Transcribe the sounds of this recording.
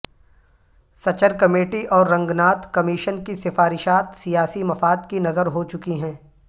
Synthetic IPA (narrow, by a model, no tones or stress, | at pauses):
sɐt͡ʃəɾkɐmeːʈiʔɔːɾːɐ̃ŋɡnaːt̪ʰkɐmiʃənkisɪfaːɾɪʃaːt̪sijaːsimɐfaːd̪kinɐzəɾɦot͡ʃʊkiɦɛ̃ː